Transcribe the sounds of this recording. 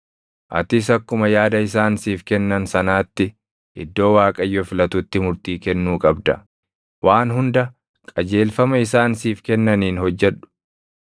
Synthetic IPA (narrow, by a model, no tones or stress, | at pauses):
ʔɐ̰t̪ɪs̬ɐkːʊmɐjaːd̪ɐɪs̬aːnsiːfkɛnːɐnsɐnaːt̪ːɪ | ʔɪd̪ːo̞ːwaːkʼɐjːɔfɪlɐt̪ʊt̪ːɪmʊɾt̪iːkɛnːuːkʼɐbd̪ɐ̰ | waːnɦʊnd̪ɐ | kʼɐd͡ʒe̞ːlfɐmɐɪsaːnsiːfkɛnːɐniːnhɔd͡ʒːɛᶑʊ̥